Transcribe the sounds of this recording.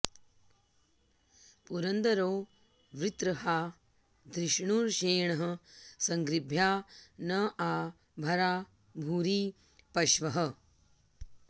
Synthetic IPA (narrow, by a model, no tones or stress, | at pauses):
puɾɐnd̪ɐɾoː | ʋɾit̪ɾɐɦaː | d̪ɾɪʃɳuːɾʃeːɳɐɦɐ̆sɐŋɡɾibʱjaːnɐʔaː | bʱɐɾaː | bʱuːɾiː | pɐʃʋɐɦɐ